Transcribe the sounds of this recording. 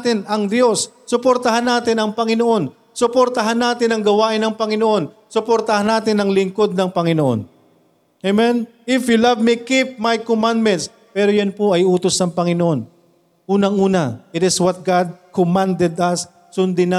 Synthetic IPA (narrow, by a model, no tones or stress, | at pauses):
t̪ɪnɐŋd̪josː | ʊpoɾt̪ɐɦanːaːt̪ɪnɐŋpɐŋɪnoʔo̞n | sʊpoɾt̪ɐɦanːaːt̪ɪnɐŋɡɐwaːʔɪnɐŋpɐŋɪnoʔo̞n | sʊpoɾt̪ɐhanːaːt̪ɪnɐŋlɪŋko̞d̪̚nɐŋpɐŋɪnoʔo̰n | ʔemɛn | ɪfjulavmikip̚majkomãnd̪mɛnt̪s | pɛːɾojɐnpoʔɐjuːt̪osnɐŋpɐŋɪnoʔo̞n | ʔuːnɐŋʔuːnɐɪɾɪswɐt̪̚ɡad̪̚komãnd̪ɛd̪ɐs | sʊnd̪ɪna